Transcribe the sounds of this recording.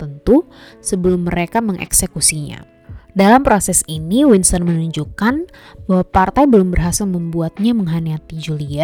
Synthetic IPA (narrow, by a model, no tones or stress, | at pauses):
t̪ənt̪u | səbəlʊmːəɾekaməŋʔɛ̰ksekusiɲa̰ | dalampɾosɛsiniwinsənmənuɲd͡ʒukanbaɦwapart̪ajbəlʊmbərɦasilməmbuat̪̚ɲaməŋɦaniat̪id͡ʒulia